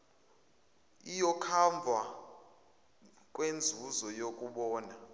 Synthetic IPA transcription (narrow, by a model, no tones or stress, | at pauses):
ijɔkʰaɱb̪vʱa | kʼwend͡zʱuzɔjokʼuɓɔːna